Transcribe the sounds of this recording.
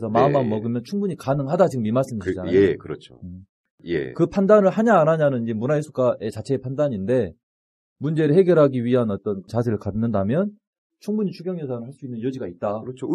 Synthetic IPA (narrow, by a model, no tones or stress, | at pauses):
sʰʌmamanmʌɡɯmjʌnt͡ɕʰuŋbuɲikanɯŋɦadat͡ɕiɡɯmimas͈ɯnɲiit͡ɕanaekɯɾʌt͡ɕʰo̰ɯ | jḛkɯpʰandanɯɭhaɲaːɾaɲanɯnid͡ʑe̞munaisʰuk͈aʔe̞t͡ɕat͡ɕʰe̞epʰandaɲinde̞ | mund͡ʑe̞ɾɯɭhe̞ɡjʌɾɦaɡiɥiɦanʌt͈ʌnt͡ɕasʰeɾɯɭkanːɯndamjʌn | t͡ɕʰuŋbuɲit͡ɕʰuɡjʌŋjʌsʰanɯɭhaɭs͈uinːɯnjʌd͡ʑiɡait̚t͈at͡ɕʰ